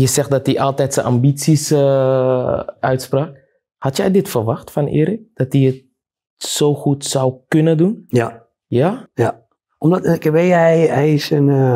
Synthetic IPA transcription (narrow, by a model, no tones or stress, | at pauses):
jəsɛxdɔt̚diʔɑlˠtɛtsənʔa̰mbit͡sisə | œɥtspraːk̚ | hatjɛjdɪtfərʋɑxtfɔnɪ̰ːɾɪk̚d̥ɑt̚diət̚ | soːxutsawkønədunj | jaja | ɔmdɔtkəʋejɛjɪsən